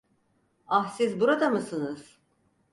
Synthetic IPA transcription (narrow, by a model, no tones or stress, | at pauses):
ahsizbuɾad̪amɯsɯnɯz̥